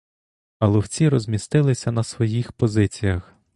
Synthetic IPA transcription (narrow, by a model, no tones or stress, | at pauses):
ɐlˠɔwt͡sʲiɾɔzʲmʲist̪ɪlˠɪsʲɐnɐsʋɔjixpɔzɪt͡sʲijɐx